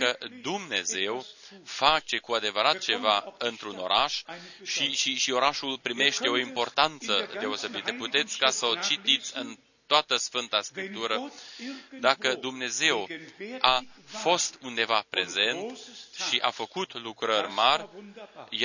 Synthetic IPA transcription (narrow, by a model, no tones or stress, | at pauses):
kəd̪umne̞ze̞wfat͡ʃe̞kuad̪e̞vəɾat̪t͡ʃe̞vaɨnt̪ɾuno̞ɾaʃʃiʃiʃio̞ɾaʃulpɾime̞ʃt̪e̞o̞impo̞rt̪ant̪səd̪e̞o̞se̞bit̪əput̪e̞t̪sʲkasəot͡ʃit̪it̪sʲɨn | t̪oat̪əsfɨnt̪askɾip̚t̪uɾə | d̪akəd̪umne̞ze̞wafo̞st̪und̪e̞vapɾe̞ze̞nt̪ʃiʔa̰fəkut̪lukɾərʲmarʲj